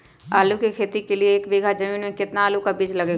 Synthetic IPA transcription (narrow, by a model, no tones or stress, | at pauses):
aːlukekʰeːt̪ikelieːkʋɪːɡʱad͡ʒɐmiːnmẽkɪt̪naːlukabɪd͡ʒlɐɡeː